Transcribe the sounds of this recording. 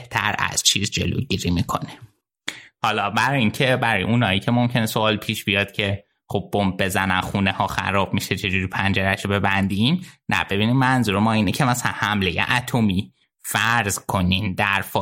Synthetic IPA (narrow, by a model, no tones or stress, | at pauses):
eht̪ʰæ̰ɾæ̰z̥t͡ʃʰiːzd͡ʒe̞̰lo̰ɟiɾiːmikʰo̞̰ne̥ | hɒːlɒːbæɾɒjiŋcʰe̞bæɾɒːjeunɒːicʰe̞momcʰe̞nesoɒːlpʰiːʃb̥ijɒd̪̥̚cʰe̞ | χob̚ːom̚be̞zænænxunehɒːxæ̰ɾɒːb̥miʃet͡ʃʰe̞d͡ʒuɾiːpʰænd͡ʒeɾæʃobe̞bænd̪imnæ̰b̥e̞biːnimːænzuːɾemɒːiːnecʰe̞mæsælænhæmle̞jḛʔæt̪ʰo̞miː | fæɾzkʰo̞nimd̪æɾfɒ